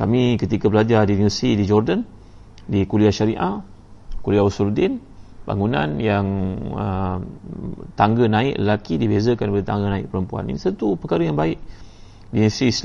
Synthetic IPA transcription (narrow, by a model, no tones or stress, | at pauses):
kamikət̪ikabəlad͡ʒadiniəsidid͡ʒɔrdən | dikuliaʃaɾiʔa | kuliausuldin | ba̰ŋunã̰njaŋə̰ | t̪aŋɡənãɪʔlə̰lakidibezəkanpadet̪aŋɡənãɪʔ̚pəɾəmpua̰nḭnisənt̪upəkaɾəjaŋbaɪʔ | dinisɾiːs